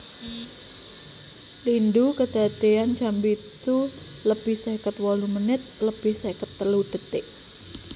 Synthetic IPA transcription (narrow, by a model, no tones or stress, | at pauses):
lindukəd̪̥a̤t̪eant͡ʃambit̪u | ləb̥ɪhsekət̪̚wɔlumənɪt̪̚ləb̥ɪhsekət̪ːəluɖ̥ə̤t̪ɪʔ